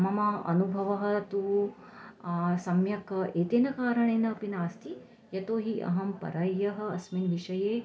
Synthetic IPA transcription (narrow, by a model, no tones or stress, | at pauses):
mɐmɐɐ̰nubʱɐʋɐɦɐ̆t̪u | sɐmjɐkɐeːt̪eːnɐkaːɾɐɳeːnɐpinaːst̪ʰi | jɐt̪oːɦiʔɐ̰ɦɐmpɐ̰ɾɐjːɐɦɐ̆ɐsminʋiʂɐjeː